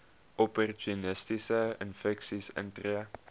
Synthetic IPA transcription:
ʔɔpɔrtunɪstisəɪ̰nfɛksisə̰̃ntriə

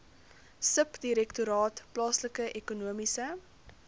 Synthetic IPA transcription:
səpdiɾɛktuɾɑːtplɑːsləkəʔɛkunuəmisə

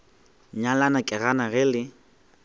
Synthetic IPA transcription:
ɲalanakʼɪɣanaɣɪlɪ

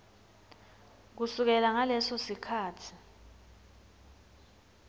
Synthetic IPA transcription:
k̬usuk̬ɛlaŋalɛsɔsikʰaːtʰi̥

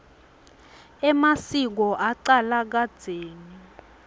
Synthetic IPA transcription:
ɛmasik̬ɔʔaǀalak̬ad̥d͡z̥z̥ʱeːŋi

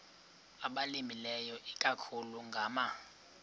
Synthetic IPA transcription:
aɓalimilɛjɔʔikʼakʰuluŋɡʱaːma

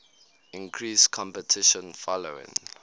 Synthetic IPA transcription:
ĩŋkʰɹiskʰɔ̃mpɛtʰɪʃɔ̃nfɔloɪ̰̃ŋ

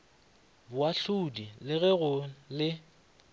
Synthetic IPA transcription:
bʊaɬudilɪɣɛɣʊlɪ

